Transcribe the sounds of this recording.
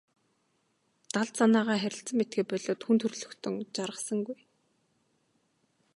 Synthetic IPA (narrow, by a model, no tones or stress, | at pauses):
t̪aɮt̪sanaːʁaːχæɾʲɪ̆ɬt͡sə̆met̪̚ɡeːpœɮoːt̪xunt̪ʰɵrɮɵ̆xt̪ʰɵ̆ŋt͡ɕaɾʁə̆sə̆ŋɡuj